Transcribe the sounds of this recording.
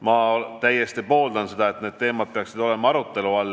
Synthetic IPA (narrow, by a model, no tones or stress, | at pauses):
mɑt̪æjːe̞st̪ipo̞ːld̪ɑnse̞d̪̥ɑe̞t̪ˑned̪̚t̪e̞ːmɑd̪̚peɑksid̪o̞le̞mɑɑɾut̪ːˑe̞luɑlː